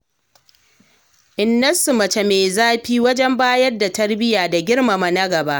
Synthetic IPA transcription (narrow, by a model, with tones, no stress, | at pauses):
ʔɪ˨nːɐ˦sʊ˨mɐ˨t͡ʃe˨meː˨zaː˦ɸiː˦wɐ˦d͡ʒɛ˦mbaː˦jɐ˦rda˨tɐ˦rbɪ˦jaː˨da˨ɡʲɪ˦rma˨ma˨nɐ˦ɡɐ˨ba˦ʔ